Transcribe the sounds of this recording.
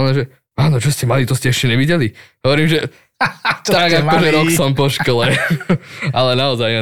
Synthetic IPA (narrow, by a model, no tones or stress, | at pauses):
nɛʒɛ | aːnɔt͡ʃɔscɛmalit̪ɔscɛɛʃcɛɲɛʋiɟɛliɦɔʋɔɾiːmʒɛ | t̪aɡakɔʒɛɾɔksɔmpɔʃkɔlɛ | alɛnaɔzajɛ